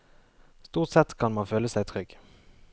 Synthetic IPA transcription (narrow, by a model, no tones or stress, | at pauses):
st̪uːʁt̪sɛt̪kʰɑnmɑnføːləsæɪt̪ʰʁʏɡ